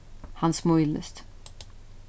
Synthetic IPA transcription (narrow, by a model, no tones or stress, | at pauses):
hansmɔʏlə̰st̪